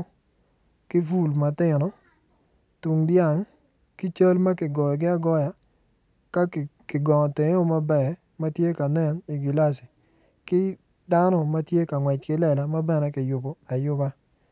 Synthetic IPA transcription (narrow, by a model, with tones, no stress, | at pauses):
kɪ˦vu˦˨lma˨tɪ˦˨nɔ˨ | tu˨ŋdja˦˨ŋ | kɪ˦t͡ʃa˦lma˦kɪ˨ɡɔ˨jɔ˨ɡɪ˦a˦ɡɔ˦ja˨ | ka˦˨kɪ˨ɡɔ˨ŋɔ˨te˨ŋ˦o˦ma˦bɛ˨ | ma˦tje˦ka˨nɛ˦˨ni˨ɡi˨la˦s̬i˨ | kɪ˦ | da˦nɔ˦ma˦tje˦ka˨ŋwɛ˨t͡ʃkɪ˦lɛ˦˨la˨ma˦bɛ˦nɛ˦kɪ˨jʊ˨bo˨a˨jʊ˦ba˦